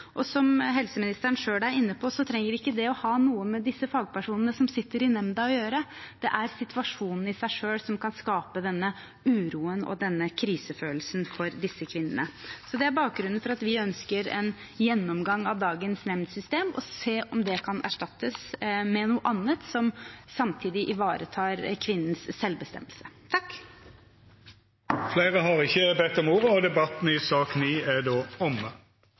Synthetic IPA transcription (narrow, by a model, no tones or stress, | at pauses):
ʔɔsɔmɦɛlsəmɪnɪst̪əɾɳʂøːlæɾɪnːəpʰɔsɔt̪ʰɾɛŋːəɪkːəd̪ɛɔhɑːnuːəmɛd̪ɪsːəfɑːɡpʰæʂuːnənəsɔmsɪt̪ːəɾɪnɛmd̪ɑɔjøːɾəd̪̥ɛʔæɾsɪt̪ʰʋɑʂuːnn̩ɪsæɪʂøːlsɔmkʰɑnskɑːpəd̪ɛnːə | ʉːɾuːənɔ̰d̪ɛnːəkʰɾiːsəføːlsnfɔɾd̪ɪsːəkʰʋɪnːə̰nəsɔd̪ɛæɾbɑːk̚ɡɾʉnn̩fɔɾɑt̪ʋɪœnskəɾɛ̰n | jɛnːɔmɡɑŋːɑʋd̪ɑːɡənsnɛmnd̪sʏst̪eːmɔ̰seːʔɔmd̪ɛkʰɑnʔæ̰ʂʈɑt̪ːəsmɛnuːəʔɑnːət̪sɔmsɑmt̪ʰiːd̪ɪʔɪʋɑːɾət̪ʰɑːɾkʰʋɪnːən̩sːɛlbəst̪ɛ̰mːəlsə̥t̪ʰɑkː | fleɪʁəɦɑʁɪçːəbɛt̪ːɔmuːʁəɔd̪ɛbɑt̪n̩ɪsɑːkniːæd̪oːɔmə